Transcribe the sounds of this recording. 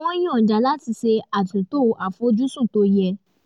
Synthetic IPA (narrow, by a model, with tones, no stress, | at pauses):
ɔ̃˦j̃ɔ̃˨d͡ʒa˨la˦ti˧se˧a˨tũ˨to˦˨ʔa˨fo˦d͡ʒu˦sũ˦˨to˧˦jɛ˧